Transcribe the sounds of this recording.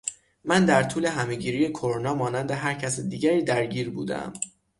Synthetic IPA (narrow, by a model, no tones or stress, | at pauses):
mænd̪æɾt̪ʰuːle̞ɦæme̞ɟiːɾijekʰoɾonɒːmɒːnænd̪eɦæɾcʰæsd̪iːɟæɾiːd̪æɾɟiːɾbṵːd̪æ̰m